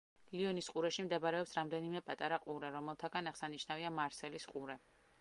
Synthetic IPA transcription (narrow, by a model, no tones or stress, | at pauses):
liɔnisqʼuɾɛʃimd̪ɛbɾɛɔpsɾamd̪ɛnimɛpʼat̪ʼaɾaqʼuɾɛɾɔmɛlˠt̪ʰaɡanaʁ̥saniʃnaviamaɾsɛlisqʼuɾɛ